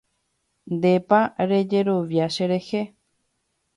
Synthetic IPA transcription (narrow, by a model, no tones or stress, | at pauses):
nd̪e̞paɾe̞d͡ʒe̞ɾo̞ʋjaʃe̞ɾe̞he̞